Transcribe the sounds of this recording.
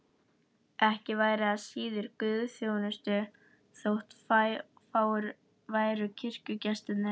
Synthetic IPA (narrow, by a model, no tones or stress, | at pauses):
ɛhcɪvaːjɾɪaðsiːðʏɾkʏːðθjoːwnʏst̪ʏ | θowht̪fa | faːwʏɾ | vaːjɾʏcʰɪr̥cʏcɛst̪ɪt̪nɪ